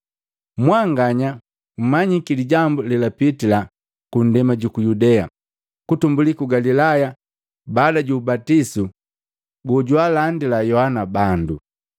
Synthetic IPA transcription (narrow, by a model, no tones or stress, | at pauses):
mwaŋɡaɲa | m̩maɲikiliɟambulɛlapitila | kun̩dɛmaɟukujudɛa | kutumbulikuɡalilaja | baːdaɟuːbatisu | ɡɔɟwalandilajɔhanabandu